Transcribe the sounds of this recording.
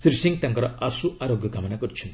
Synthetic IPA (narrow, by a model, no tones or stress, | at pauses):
siɾsiŋ̚t̪jaŋkɐɾɔʔasuʔaɾoɡjɐkamɐnakɔɾt͡ʃʰun